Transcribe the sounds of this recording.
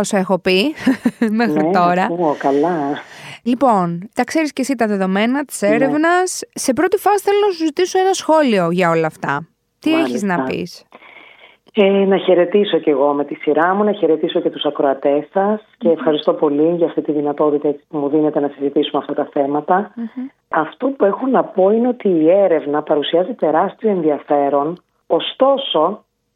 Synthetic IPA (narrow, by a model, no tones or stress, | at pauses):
osɐexo̞pi | mexɾit̪o̞ɾɐkɐlɐ | lipo̞nt̪ɐkse̞ɾisce̞sit̪ɐðe̞ðo̞me̞nɐt̪i̥se̞ɾevnɐsːe̞pɾot̪ifɐsi̥θe̞lonɐsuzit̪iso̞e̞nɐsxo̞lio̞ʝɐo̞lɐːft̪ɐ̰ | t̪ieçiznɐppḭs | enɐçe̞ɾe̞t̪iso̞ce̞ɣo̞me̞t̪isiɾɐmunɐçe̞ɾe̞t̪iso̞ce̞t̪usɐkɾoɐt̪e̞sɐsce̞ːfxɐɾist̪o̞po̞liʝɐft̪it̪iðinɐt̪o̞t̪it̪ɐet͡si̥pumuðine̞t̪e̞nɐsizit̪isumeɐft̪ɐt̪ɐθe̞mɐt̪ɐ | ɐft̪o̞pue̞xonɐpo̞ine̞o̞t̪iːe̞ɾe̞vnɐpɐɾusiɐzit̪e̞ɾɐst̪ioenðiɐfe̞ɾo̞n | ost̪o̞so̞